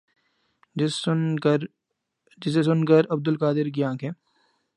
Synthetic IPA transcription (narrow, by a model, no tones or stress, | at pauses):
d͡ʒɪs̬es̬ʊnkəɾɐbd̪ʊlkaːd̪ɪɾɡɪjãːkʰẽː